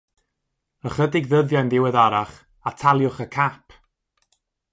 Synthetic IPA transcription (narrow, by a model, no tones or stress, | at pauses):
əχədɪɡðəðjajnðɪwəðaɾaχ | atʰalˠjʊχəkʰapʰ